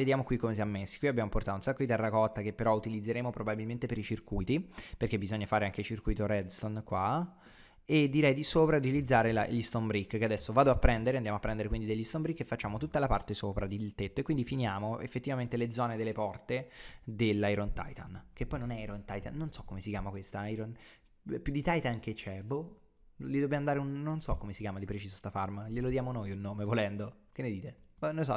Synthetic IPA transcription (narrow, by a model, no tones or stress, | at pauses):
ved̪jaːmokwikːomes̬iamːesːi̥kwiabjaːmoport̪at̪ounsakːod̪it̪ɛrːakɔt̪ːak̟epːeɾɔut̪ilid̪zːeɾeːmopɾobabilment̪epeɾit͡ʃirkujt̪iperk̟ebːizɔɲːafaːɾeaŋk̟et͡ʃirkujt̪oɾɛd̪sonkwa | ed̪ːiɾɛjd̪isoːpɾaut̪ilid̪zːaːɾela̰ʎist̪ombɾikːkead̪ɛsːovaːd̪oapːɾɛnd̪eɾeandjamoapːɾɛnd̪eɾekwind̪id̪eʎːist̪ombɾikːefːat͡ʃːaːmot̪ut̪ːalapart̪esoːpɾad̪ilt̪et̪ːoekːwind̪ifinjaːmoʔḛfːet̪ːivament̪eled̪zːɔːned̪elːepɔrt̪ed̪elːajɾont̪a̰jt̪a̰nk̟epːɔjnonɛajɾont̪ajt̪a̰nːonsɔkːomesikjaːmakwest̪aajɾon | pjud̪ːit̪ajt̪ank̟et͡ʃːɛbo | lid̪objamand̪aːɾeunːonsɔkːomesikjaːmad̪ipɾet͡ʃiːzost̪afarmʎelod̪jaːmonojunːoːmevolɛnd̪o | k̟enːed̪iːt̪eanolsɔ